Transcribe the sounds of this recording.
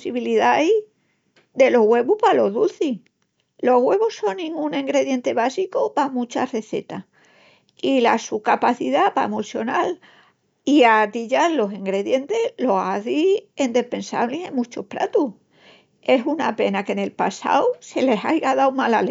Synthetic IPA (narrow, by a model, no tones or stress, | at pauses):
siβiliðai | d̪e̞lo̞ɦɣwe̞βupalo̞ðulθi | lo̞ɦɣwe̞βuso̞nnĩŋɡũnẽŋɡɾe̞ðje̞nt̪e̞βasikopamut͡ʃare̞θe̞̰t̪a | ila̰sukapaθiðapa̰emosjo̞nal | iat̪iʎaɾlo̞siŋɡɾe̞ðje̞nt̪e̞lo̞aθiend̪ehpe̞nsa̰βliɦẽŋmũt͡ʃohpɾa̰t̪u | e̞sunape̞nake̞ne̞lpasa̰wse̞le̞sajɣaðawmalale